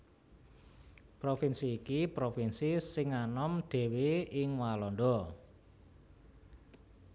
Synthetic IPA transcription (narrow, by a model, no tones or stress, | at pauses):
pɾofinsiːkipɾofinsisɪŋanɔmd̪̥e̤weɪŋwalɔnɖ̪ɔ